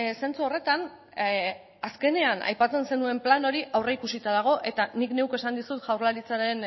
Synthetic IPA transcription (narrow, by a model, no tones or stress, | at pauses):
se̞nt͡suo̞re̞t̪an | aske̞ne̞ana̰jpat͡se̞nse̞nue̞mplano̞ɾiʔawreikusit̪aðaɣ̞o̞ʔe̞t̪anikne̞ukoe̞sand̪isut̪ʝawɾlaɾit͡saɾe̞n